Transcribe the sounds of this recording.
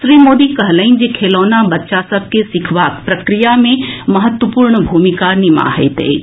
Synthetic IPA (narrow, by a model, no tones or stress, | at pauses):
sɾiːmoːd̪ikɐɦləin̆d͡ʑekʰeːlɔːnabɐtːʃasɐb̚ʱkesɪkʰʋaːkpɾɐkɾijamẽmɐɦət̪wəpuːɾɳ̃əbʱuːmikaːɾnima̰ɦḛt̪ḛː